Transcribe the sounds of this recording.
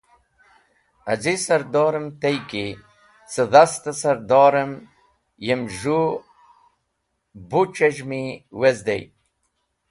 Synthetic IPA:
azisɐɾd̪oːɾəmt̪ejki | səðast̪asɐɾd̪oːɾəm | jemʒu | but͡ʃeʒmiwezd̪ḛj

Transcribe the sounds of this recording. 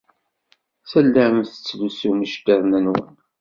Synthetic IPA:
sælːæəmθə̥t͡sːlusuməʃt̪əðˤnænwə̰n

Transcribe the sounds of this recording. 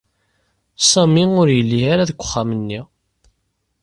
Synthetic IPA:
sˤɑmiʊɾjəlːiaɾaðkʷːə̥χːamənːi

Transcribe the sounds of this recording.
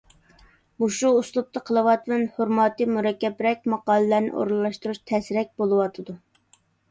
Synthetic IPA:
uʃuːslˠup̚t̪ʰɑqʰəlˠɨwɑt̪wɛnhoɾmɑt̪ɨmuɾɛkʲːɛpɾɛk̚ʲmɑqɑːlˠɨlæɾnɪ̰ʔo̰ɾlːˠɑʃt̪uɾuʃt̪ʰɛsɾɛk̚ʲbolˠɨwɑt̪ʰɨd̪u

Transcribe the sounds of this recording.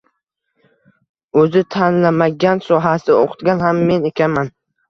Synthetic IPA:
ɵzɪt̪ʰanlamaɡʲansɒɦasɪo̰qʰɨ̥t̪ɡʲanhamːe̞nekʲanman

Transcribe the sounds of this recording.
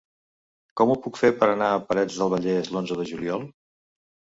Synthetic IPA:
kɔmupukfeɾpəɾənaəpəɾɛd͡zðəlˠβəʎɛzlonzəðəʒuliɔlˠ

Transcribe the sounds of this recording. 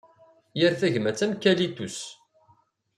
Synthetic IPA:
jəɾθæʝmæt͡sːæmkːælit̪us

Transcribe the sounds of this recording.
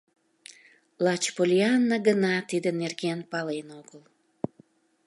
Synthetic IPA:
lɑt͡ɕpolʲiɑnːəɡənɑt̪id̪ənerɡenpɑlenoɡəl

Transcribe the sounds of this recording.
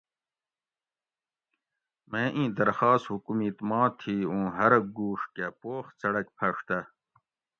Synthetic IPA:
mẽːʔĩːd̪ɐɾxaːst̪hukumiːt̪mãːt̪ʰiːũːɦɐɾɐɡuːʂkepoːxt͡sɐɽɐkpʰɐʂt̪ɐ

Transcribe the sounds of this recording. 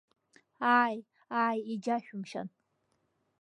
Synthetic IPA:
aːj | aːjid͡ʒaʃᶣumʃa̰n

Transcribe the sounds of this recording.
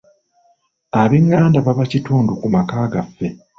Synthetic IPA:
aβiŋːaːndaβaβacituːndukumakaːɡafːe̞

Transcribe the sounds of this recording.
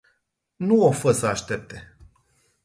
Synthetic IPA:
nuofəsəaʃt̪e̞p̚t̪e̞

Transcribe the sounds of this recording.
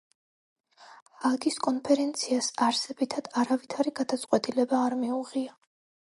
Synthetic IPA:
aɡiskʼɔnpʰɛɾɛnt̪sʰiasaɾsɛbit̪ʰad̪̥aɾavit̪ʰaɾiɡad̪at̪sʼqʼwɛt̪ʼilɛbaːɾmiuʁia

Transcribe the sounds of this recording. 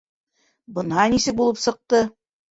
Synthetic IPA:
bɤ̆nhɑnisɘk̚bulˠɤpsɤ̆q̚t̪ɤ

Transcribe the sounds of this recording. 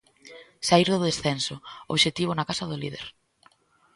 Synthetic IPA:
saiɾðʊðesθensʊo̰βʃet̪iβ̞ʊnakasɐðʊlið̞ḛɾ

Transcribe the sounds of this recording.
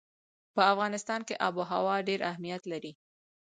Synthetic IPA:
pəafɣɑnɪst̪ɑnkeʔɑbuɦa̰wɑɖeɾʔahmijat̪laɾi

